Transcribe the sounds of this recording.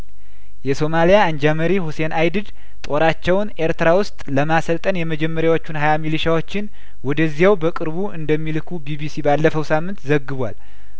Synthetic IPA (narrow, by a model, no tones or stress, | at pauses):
jɛso̞malijaːnd͡ʒaməɾihusenajd̪ɨd̪ | t̪ʼo̞ɾat͡ʃːɛwne̞ɾt̪ʰɨɾawʊst̪ʼləmasəlt̪ʼənjɛməd͡ʒɛmːəɾjawo̞t͡ʃːunhajamilɨʃawo̞t͡ʃːɪn | wɔd̪əzːijawbəkʼɨɾβuʔɨnd̪əmːilɨkʰubibisibalːəfəwsamːɨnt̪zəɡːɨβʷa̰l